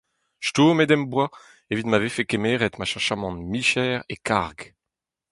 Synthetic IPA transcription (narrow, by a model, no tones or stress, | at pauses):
ʃtumed̪ɛmbwa | evit̪mavefekemeːʁɛt̪maʃɑ̃ʃamɑ̃nmiʃɛʁekaʁɡ